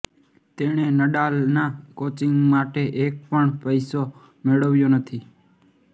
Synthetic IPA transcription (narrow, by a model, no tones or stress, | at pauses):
t̪eɽ̃enəɗaːlnãːkot͡ʃɪ̃ŋɡmaʈeʔek̚pəɳpəɪso | meɭəʋjoːnət̪ʰiː